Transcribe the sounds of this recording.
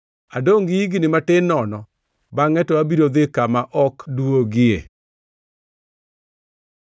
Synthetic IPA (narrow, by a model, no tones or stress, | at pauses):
adoŋɡiiɡinɪmatɪnɔnɔ | baŋɛtɔabiɾod̪ɪkamaʔɔkduwoɡɪe